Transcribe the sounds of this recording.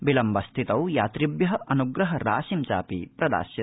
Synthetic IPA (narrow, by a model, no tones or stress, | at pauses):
bilɐmʋɐst̪ʰit̪ɐwjaːt̪ɾibjɐɦɐʔɐnuɡɾɐɦɐɾaːʃimt͡ʃa̰ːpḭpɾɐd̪a̰ːsjɐ